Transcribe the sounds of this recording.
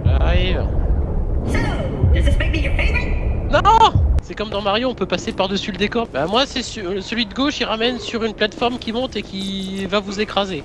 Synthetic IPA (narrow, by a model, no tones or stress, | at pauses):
a̰iva̰ | ʒəsɛspɛk̪̚ijəfeinɔ̃sɛkɔmd̪ɑ̃maʁjoɔ̃pøpasepaʁd̪əsyləd̪ekɔʁbamwasɛsyəsəlɥid̪əɡoʃiʁamɛnsyʁynplat̪fɔʁmkʲimɔ̃t̪ekʲivavuzekχaze